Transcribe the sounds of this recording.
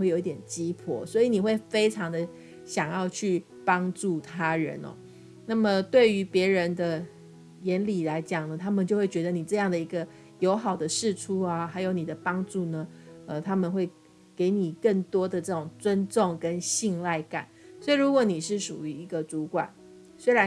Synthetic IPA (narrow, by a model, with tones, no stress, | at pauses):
xwe˥˩˨jo˨˧ʊi˥˧t̪jɛ˨˩nt͡ɕi˦˥pʰɔ̰˨˩swɔ˧˥i˧˥˦ni˨˩xwe˥˩ɪfe˥ɪʈ͡ʂʰɑ˧˥ŋd̪ə˧ | ɕjɑ˨˩ŋjɑ˥˧ʊt͡ɕʰy˥˩ | pɑ˥ŋʈ͡ʂu˥˩t̪ʰa˦ɻə̰˧˦nɔ̰˨˦ | na˥˩mə˨t̪we˥˩ɪy˧˥pjɛ˧˥ɻə˧˦nd̪ə˧ | jɛ˧˥nli˨˩la˧˥ɪt͡ɕjɑ˨˩ŋnə˦t̪ʰa˥mə˨nt͡ɕo˥ʊxwe˥˩ɪt͡ɕɥɛ˧˥d̪ə˧ni˨˩ʈ͡ʂɤ˥˧jɑ˥˩ŋd̪ə˩i˧˥ɡə˧ | jo˧˥ʊxɑ˨˩ʊd̪ə˦ʂɻ̩˥˨ʈ͡ʂʰu˥a˧xa˧˥ɪjo˧˥ʊni˨˩d̪ə˦pɑ˥ŋʈ͡ʂu˥˩nə˩ə˨t̪ʰa˥mə˨nxwe˥˩ɪ | ke˧˥ɪni˨˩kə˥˩ŋt̪wɔ˥d̪ə˨ʈ͡ʂɤ˥˩ʈ͡ʂʊ˨˩ŋt͡swə˦nʈ͡ʂʊ˥˨ŋkə˦nɕi˥˧ŋla˥˩ɪka̰˨˩˦nsɔ˧˥i˨˩ɻu˧˥kwɔ˧˦ni˨˩ʂɻ̩˥˩ʂu˨˩y˧˥i˧˥ɡə˨t͡su˧˥kwa̰˨˩˦n | swe˥ɪɻa˧˦